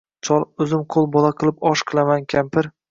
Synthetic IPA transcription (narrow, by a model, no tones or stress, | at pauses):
t͡ʃʰɒlˠɵzɪmqʰolˠbɒlˠaqʰɨlˠɪpɒʃqʰɨlˠamankʲʰampʰɪɾ